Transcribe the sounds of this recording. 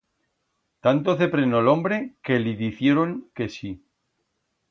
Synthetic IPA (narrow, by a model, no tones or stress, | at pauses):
t̪ant̪oθepɾenolõmbɾekeliðiθje̞ɾoŋke̞si